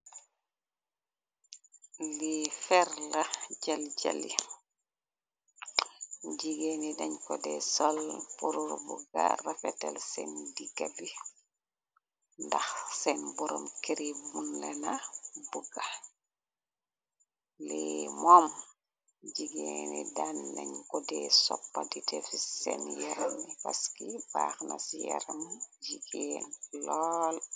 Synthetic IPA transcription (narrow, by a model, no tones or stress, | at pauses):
lifɛɾlaɟalɟa̰li | ɟiɡenidaɲkɔdɛsɔlpuɾuɾbṵɡa̰rafɛtɛlsɛndiɡabi | ndaxsɛnbuɾo̰mkiɾibunlɛnabuɡa | lɛmɔm | d͡ʒiɡenidanːɐɲkɔdɛsɔpːadidɛfisɛ̰njɛɾmipaskibaːxnasjɛɾamɟiɡenlɔːl